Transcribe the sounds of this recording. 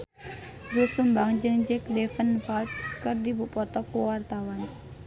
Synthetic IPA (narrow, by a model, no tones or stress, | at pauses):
ɡusumbaŋd͡ʒɨŋd͡ʒɛk̚defənfalt̪̚kərdibuʔpɔt̪ɔkuwart̪awan